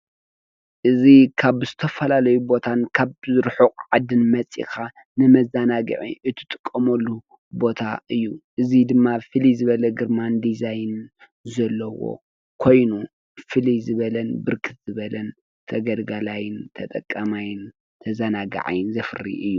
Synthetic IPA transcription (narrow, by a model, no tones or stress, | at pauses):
ʔɨzikʰaβzɨt̪ʰɐfɐlalɐjubo̞t̪ʰankʰaβzɨɾħɨkʼʕad̪ɨnmɐt͡sʼḭkʰa | nɨmɐzanaɡɨ̰ʕḭʔɨt̪ʰɨt̪ʼɨkʼːɐmɐlːu | bo̞t̪ʰa̰ʔɨjːuʔɨzid̪ɨmːafɨlizɨβɐlɐɡɨɾmand̪izajn | zɐlːɐwo̞̰ | kʰo̞jnu | fɨlizɨβɐlɐnbɨɾkʰɨt̪z̥ɨβɐlɐn | t̪ʰɐɡɐlɡalajɪnt̪ʰɐt̪ʼɐkʼːamajɪn | t̪ʰɐzanaɡɐ̰ʕa̰jɪnzɐfɨrḭʔɨjːu